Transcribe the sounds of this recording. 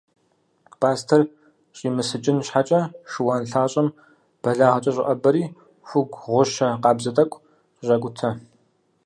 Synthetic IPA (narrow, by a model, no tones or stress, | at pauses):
pʰaːstʰɐr | ɕʼiːmɨsɨt͡ʃʼɪnɕħat͡ʃʼɐʂɨwaːnɬaːɕʼɐm | b̥ɐɮaːʁɐt͡ʃʼɐɕʼɪ̰ʔʼɐbɐɾiː | xʷʊɡʷʁʷʊʃɐqɑːbzɐtʼɐkʷʼ | ɕʼɐkʷʼʊtʰɐ